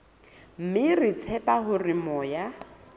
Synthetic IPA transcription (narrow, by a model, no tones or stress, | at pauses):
m̩mɪrɪt͡sʰɛpʼaɦʊrɪmɔja